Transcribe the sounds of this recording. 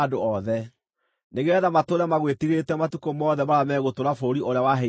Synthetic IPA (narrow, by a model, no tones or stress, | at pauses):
doɔðɛ | neɣɛðamatoɾamaɣwetiɣetɛmatukomɔðɛmaɾamɛɣotoɾafoːɾiʔoɾeawaɦɛ